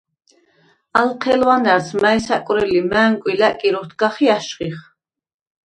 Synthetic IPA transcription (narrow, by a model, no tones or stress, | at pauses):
alqʰɛlwanaɾsmaɛsakʼwɾɛlimæːŋkʼwilækʼiɾɔt̪ʰɡaχiaʃχiχ